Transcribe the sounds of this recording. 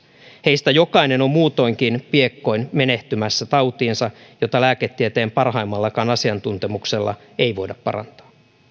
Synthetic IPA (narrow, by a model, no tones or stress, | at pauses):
he̞ist̪æjo̞kɑjne̞no̞mːuːt̪o̞jŋk̟inpie̞kːo̞jnme̞ne̞ht̪ymæsːæt̪ɑwt̪iːnsɑjo̞t̪ɑlæːke̞t̪ːiet̪e̞ːmpɑrɦɑjmːɑlːɑkɑːnɑsiɑnt̪unt̪e̞mukse̞lːɑ̰ | e̞jʋo̞jdɑppɑ̰ɾɑ̰nt̪ɑ̥ː